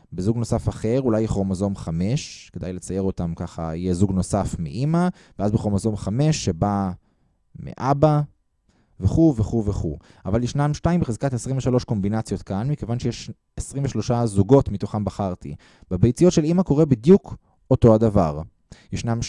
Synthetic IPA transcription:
bezuɡno̞safaχe̞ʁulajeχomozo̞mχame̞ʃke̞d̪ajlet͡saje̞ʁo̞t̪amkaχa̰ḭjezuɡno̞safmḭʔima | veazbeχomazo̞mχame̞ʃːe̞ba | mḛʔaba | veχuveχuveχṵ | a̰valjeʃnamʃtaimbeezkat̪esʁimveʃalo̞ʃko̞mbinat͡sjo̞t̪kanmike̞vanʃejeʃ | esʁiɱveʃlo̞ʃazuɡo̞tmit̪o̞χambaχaʁt̪ḭ | b̥ebejt͡sijo̞tʃe̞limako̞ʁebid̪juk | oto̞adavaʁ | jeʃnam

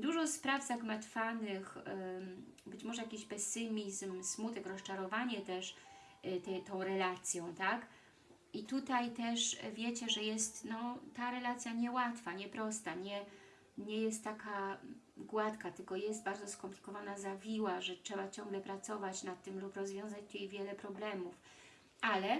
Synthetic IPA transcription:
d̪uʐɔspɾavzaɡmat̪fanɘx | bɘt͡ɕmɔʐɛjakʲiɕpɛsɘmʲizmsmut̪ɛkɾɔst͡ʂaɾɔvaɲɛt̪ɛʂ | t̪ɛt̪ɔ̃w̃ɾɛlat̪sʲjɔ̃w̃t̪ak | it̪ut̪ajt̪ɛʂvʲjɛt͡ɕɛʐɛjɛst̪nɔt̪aɾɛlat̪sʲjaɲɛwat̪faɲɛpɾɔst̪aɲɛ | ɲɛjɛst̪ːakaɡwat̪kat̪ɘlkɔjɛs̬t̪̚baɾd̪zɔskɔmplʲikɔvanazavʲiwaʐɛtʂɛbat͡ɕɔŋɡlɛpɾat̪sɔvat͡ɕnat̪ːɘmlupɾɔzvʲjɔ̃w̃zat͡ɕt̪jejvʲjɛlɛpɾɔblɛmuf | ʔalɛ

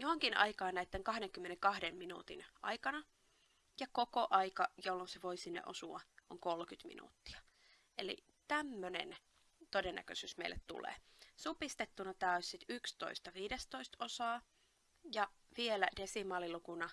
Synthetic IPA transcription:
johoŋkinɑ̰ikɑːnnæit̪ːeŋkɑhɾeŋkymːeneŋkɑhdemminṵt̪inʔɑ̰ikɑnɑ | jɑkokoʔɑikɑjolːonseʋoisinːḛʔosuɑ̰ʔoŋkolkyt̪mḭnṵt̪ːi̥ɑ | elḭ | t̪æmːønḛn | t̪odenːæ̰kø̰syːsmḛilːḛt̪t̪ṵlḛːsupist̪et̪ːunɑt̪æːosʲsit̪ykst̪o̰ist̪ɑʋiːdest̪oist̪osɑː | jɑ | ʋielæd̥esimɑːlilukunɑ

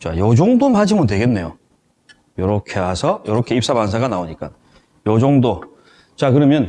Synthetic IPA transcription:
t͡ɕa̰jʌd͡ʑoŋdonɦad͡ʑimuntwe̞ɡenːe̞jo | jʌɾʌkʰe̞hasʰʌjʌɾʌkʰe̞ip̚s͈amansʰaɡanaoɲik͈a̰ | jod͡ʑoŋdo | t͡ɕakɯɾʌmjʌn

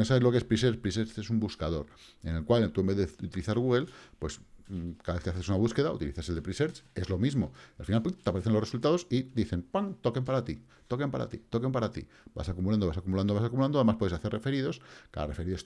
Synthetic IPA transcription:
nosaβe̞zlokeespɾis̬e̞ɾt͡ʃpɾiseɾt͡ʃesumbuskaðo̞ɾ | e̞ne̞lkwalt̪uembe̞ðeut̪iliθaɾɣuɣe̞lpwe̞skaðaβe̞θkeaθe̞sunaβuske̞ðaṵt̪ilḭθase̞ld̪e̞pɾiseɾt͡ʃe̞zlo̞mizmo̞alfinalpt̪eapaɾeθeloresult̪aðo̞sid̪iθe̞mpaŋt̪oke̞mpaɾat̪ḭ | t̪oke̞mpaɾʔa̰t̪ḭt̪o̞kempaɾat̪ḭ | b̥a̰sakumuland̪oβasakumuland̪oβasakumuland̪oðemapweðeaθe̞rḛfe̞ɾiðo̞ska̰ða̰re̞fe̞ɾiðo̞s

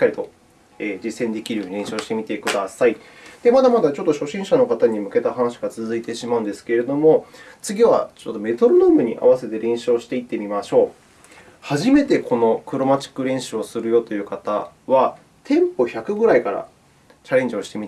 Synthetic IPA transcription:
i̥kːaɾʲit̪o̞ | eːd͡ʑisːẽ̞nd̪e̞kʲiɾɯɲiɾẽ̞ɰ̃ɕoːɕi̥t̪e̞mʲit̪e̞kɯ̟d̪asai | d̪̥e̞mad̪amad̪at͡ɕo̞t̪ːo̞ɕo̞ɕĩɰ̃ɕano̞kat̪aɲ̟imɯ̟ke̞t̪ahanaɕi̥ɡat͡sɨzɨit̪e̞ɕimaɯ̟̃nd̪esɨ̥ke̞ɾe̞d̪o̞mo̞t͡sɨɡʲiβa̰t͡ɕot̪ːo̞me̞t̪o̞ɾonoːmɯ̟ɲ̟iʔa̰βase̞t̪e̞ɾẽ̞ɰ̃ɕioɕi̥t̪e̞it̪ːe̞mʲimaɕo̞ː | haʑime̞t̪e̞kʰo̞no̞kɯ̟ɾo̞mat͡ɕi̥kːɯ̟ɾẽ̞ɰ̃ɕɨo̞sɨɾɯ̟jo̞t̪o̞jɯ̟ːkat̪a̰βa | t̪ʰẽ̞mpo̞çakɯ̟ɡɯ̟ɾaikaɾa̰ | t͡ɕaɾẽ̞ɲ̟d͡ʑio̞ɕi̥t̪e̞mit̪

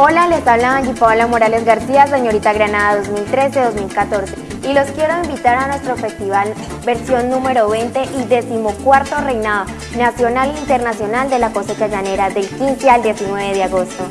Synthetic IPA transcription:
o̞lale̞saβlaaɡipawlamo̞ɾale̞zɣaɾsias̬e̞ɲo̞ɾit̪aɣɾanaðaðo̞zmilt̪ɾe̞se̞ðo̞zmilkat̪o̞ɾse̞ | ilo̞skje̞ɾo̞imbit̪aɾanwe̞st̪ɾo̞fe̞st̪iβal | be̞ɾsjo̞nːũme̞ɾo̞β̞e̞jnt̪e̞ʔiðe̞simokwaɾt̪ore̞jnaðo | nasjo̞nalint̪eɾnasjo̞nald̪e̞lako̞se̞t͡ʃad͡ʒane̞ɾaðe̞lkinse̞ald̪je̞sinwe̞βe̞ðeaɣo̞st̪o

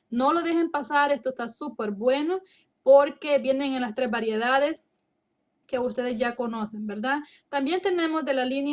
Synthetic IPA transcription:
no̞lo̞ðe̞xe̞mpasaɾe̞st̪oest̪asupe̞ɾbwe̞no̞ | po̞ɾke̞bje̞ne̞ŋenlast̪ɾe̞zbaɾje̞ðaðe̞s | ke̞ust̪e̞ðezʝako̞no̞se̞nbe̞ɾða | t̪ambje̞nt̪e̞ne̞mo̞zðe̞lalinj

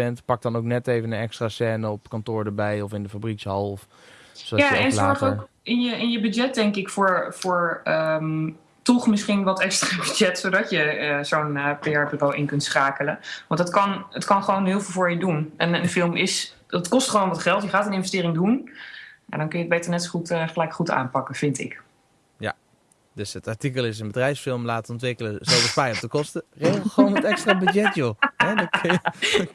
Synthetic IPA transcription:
bɛntpɑk̚dɔnowk̚nɛteːvənənɛkstraːsɛːnəɔpkɔntʊːɹdəbɛjɔfɪndəfabrikshɑlˠf | sodjaɛnzɔɹχowk | ɪnjəʔɪnjəbyd͡ʒɛt̚dɛŋkɪkfʊːɹfʊːɹəm | tɔχmɪsχinʋɑtɛkstraːbyd͡ʒɛtsodɑtjəzownəpeɛɹpyrowʔɪnkɵntsχaːkələʋɑntətkɑnətkɑnχəʋownɦɪːlˠvɪlˠvʊːɹjədunɛnənfɪlˠmɪs | ɑtkɔstχəʋownʋɑtχɛlˠtjəχaːtənɪ̃nvəstɪːrɪŋdun | ja̰dɔnkɵnjəd̚bejtəɹnɛtsoχutːχəlɛjkχuta̰ːnpɑkəv̥ɪntɪ̰k | ja̰ | døsətɑɹtikəlˠɪsənbədrɛjfsfɪlˠmlaːtəɔntʋɪkələzɔlˠʋəsfɛjɔp̚təkɔstəreχʋownətɛkstraːbəd͡ʒɛtjoɦɛd

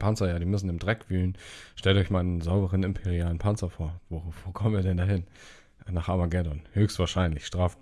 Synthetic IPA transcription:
pʰant͡sɐjaːdiːmʏsn̩ɪmdʁɛkv̥yːlənʃtɛltɔʏçmaɪnənzaʊbəʁənɪmpʰeʁiaːlənpʰant͡sɐfoːɐvoːvoːkʰɔmənviːɐdɛndaːɦɪn | naːχʔaːmaɡɛdɔnhøːçstv̥aːɐʃaɪnlɪçʃtʁ̥aːf

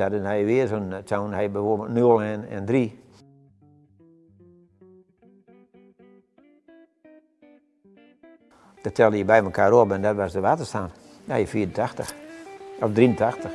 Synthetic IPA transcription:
adənhɛjʋɪəsontʰawnhɛjbɛfoəbətnøəlˠɛnɛ̰ndri | d̥ɔtʰɛlˠdəiəbɛjməkʰaːɾopɛndɔtʋasdəʋaːtəstan | dajəfiːɾn̩tatə | ɔfdriən̩tʰaxtəx

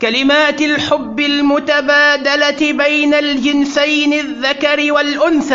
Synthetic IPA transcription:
kalɪmaːt̪ɪlħʊbːɪlmʊt̪abaːd̪alat̪ɪbajnald͡ʒɪnsajnɪðːakaɾɪwalʔʊnθaː

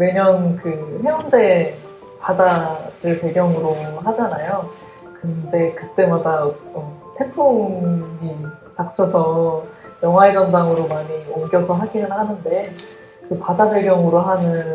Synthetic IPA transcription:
we̞ɲʌnkɯheʌnde̞ | padadɯɭpe̞ɡjʌŋɯɾohad͡ʑanajo | kɯnde̞kɯt͈e̞madaʌtʰe̞pʰoŋɲi | tak̚t͡ɕʰʌsʰʌ | jʌŋɦaed͡ʑʌndaŋɯɾomaɲioŋɡjʌsʰʌɦaɡinɯnɦanɯnde̞ | kɯpadade̞ɡjʌŋɯɾoɦanɯn

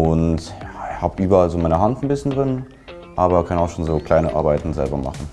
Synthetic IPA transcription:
ʊnthaːbʔyːbɐalzoːmaɪnəɦantn̩bɪsçəndʁɪn | ʔaːbɐkʰanaʊxʃoːnzoːkl̥aɪnəʔa̰ɐbaɪtn̩zɛ̰lbɐma̰χn̩

